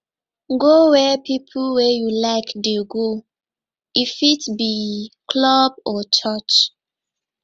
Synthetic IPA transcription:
ɡowɛpipʰlwɛjulaɪkdeɡo | ifitbikʰlɔb̚ɔt͡ʃɔt͡ʃ

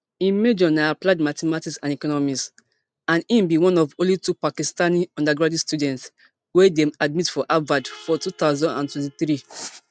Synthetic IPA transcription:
ĩmed͡ʒɔnaaplaɪdmatɛmatiksãnɛkɔnɔmis | ãnĩmbiwɔ̃nɔvõlitupakistaniɔ̃ndaɡɹadistjudɛ̃nts | wedemad̚mitfɔʔavadfɔtut̪aʊzɔ̃ndã̰ntwɛ̃ntiθɾi

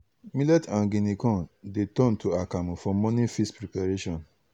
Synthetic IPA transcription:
milɛtãnɡĩnikɔ̃ndetɔ̃ntuakamũfɔmɔ̃nĩfispɹɾipaɹeʃɔ̃n

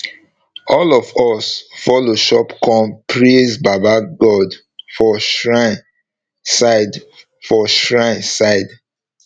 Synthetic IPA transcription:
ɔlɔvɔsfɔloʃɔpkɔ̃mpɹesbabaɡɔd | fɔʃɹa | sad | fɔʃɹãɪ̃nsaɪd

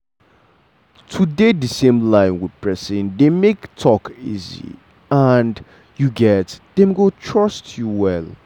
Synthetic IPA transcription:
tʰudedəsẽmlãɪ̃nwɪd̥̚pʰɹɛsĩndemektʰɔkḭzḭ | and | juɡɛtd̥emɡotʰɹʌstʰjuwɛl

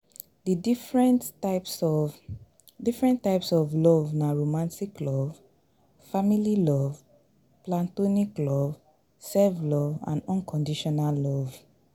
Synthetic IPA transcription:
didifɹɛ̃ntaɪpsɔv | difɹɛ̃ntaɪpsɔvlɔvnaɹomãntiklɔv | famililɔv | plãntoniklɔv | sɛlvlɔvã̰nɔ̃nkʰɔ̃ndiʃɔnalːɔv

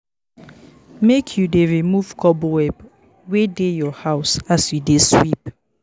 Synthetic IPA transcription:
mekʰjudeɹimuv̥kʰɔbwɛb | wedejɔhaʊsasjudeswip

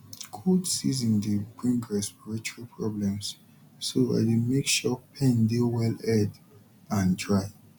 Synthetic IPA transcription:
kʰodsizĩndeɡɹĩŋɡɹɛspiɹit͡ʃuɹipʰɹɔblɛ̃ms | soa̰demekʃɔpʰɛ̃ndewɛlɛd | ãntʰɹaɪ

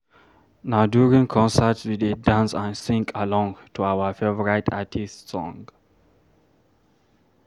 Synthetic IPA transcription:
naʊdjuɹĩŋkʰɔ̃nsətswidedãnsãnsĩŋkʰəlɔ̃ŋtʰuawəfevɔɹitʰatʰistsɔ̃ŋɡ

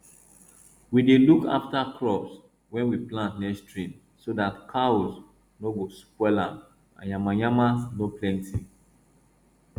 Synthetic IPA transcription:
wideluka̰ftakʰɹɔps | wɛ̃nwiplãntnɛstɹĩn | sodatkʰaos | noɡospwɛlãm | ã̰njamajamanoplɛ̃nti

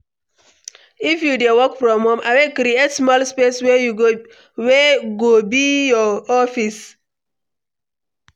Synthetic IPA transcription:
ifjudewɔkfɾɔ̃mɔ̃mʔawekɾietsmɔlspesw | weɡobijɔɔfis

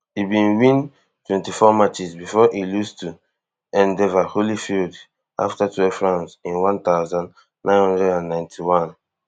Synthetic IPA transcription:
ibĩnwĩn | twɛ̃ntifɔmat͡ʃisbifɔʔilustu | ɛ̃ndɛvaholifild | ʔa̰ftatuɛfɹãnsĩnwãnt̪aʊzãn | nãɪ̃nhɔ̃ndɹɛdãnːãɪ̃ntʰiwãn

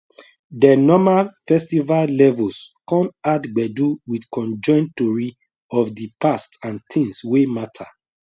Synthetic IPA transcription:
dɛnɔmalfɛstivallɛvɔlskɔ̃madɡ͡bɛduwidkɔ̃nd͡ʒɔ̃ɪ̃ntoɹi | ɔfdipastãntʰĩŋswematʰa

